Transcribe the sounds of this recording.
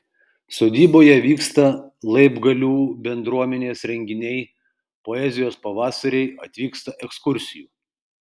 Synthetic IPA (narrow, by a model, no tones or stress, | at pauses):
soːd̪ʲiːboːjɛʋʲiːkst̪ɐlˠɐɪbɡɐlʲuːbʲɛnd̪ɾuɔmʲɛnʲeːsɾʲɛŋʲɡʲɪnʲɛɪ | poɛzʲɪjoːspɐʋɑːsɐɾʲɛɪɐt̪ʲʋʲiːkst̪ɐʔɛkskʊɾʲsʲɪjuː